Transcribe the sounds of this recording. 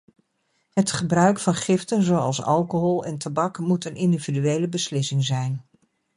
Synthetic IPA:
ɦətχəbrœɥkfɑnχɪftənzowɑ̰lˠsɑ̰lˠkoɦɔlˠɛ̰ntabɑkmutənʔɪndividyejləbəslɪsɪŋzɛjn

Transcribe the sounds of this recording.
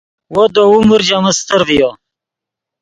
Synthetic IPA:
wod̪oumuɾd͡ʑaməst̪əɾvijo

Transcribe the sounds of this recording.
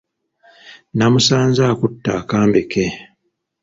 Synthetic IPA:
namusaːnzaːkutːaːkaːmbeke

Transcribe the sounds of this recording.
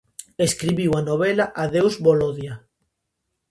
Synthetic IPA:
eskɾiβiwanoβ̞elaʔaðewzβoloðja

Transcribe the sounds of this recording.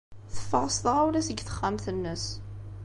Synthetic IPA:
θə̥fəɾˤsðˤəʁuɾæsəɡθə̥χːæmθənːəs

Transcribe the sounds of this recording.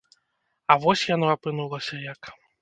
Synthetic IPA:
ɐvɔsʲjanɔapɨnulˠɐsʲɐjɐk

